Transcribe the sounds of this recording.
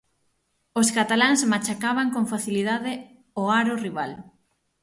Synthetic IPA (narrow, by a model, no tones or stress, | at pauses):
oskat̪alaŋsmat͡ʃakaβaŋkoŋfaθiliðaðɪ | oaɾoriβal